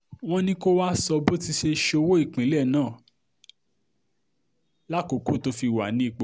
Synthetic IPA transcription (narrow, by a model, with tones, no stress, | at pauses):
w̃ɔ̃˦nĩ˧˦ko˦wa˦sɔ˧bo˦ti˧ʃe˧ʃo˧wo˦i˦˨k͡pĩ˨˦lɛ˦˨nãː˦˨ | la˦˨ko˨˦ko˦˨to˧fi˧˨wa˨nĩ˨˦i˦˨k͡po˨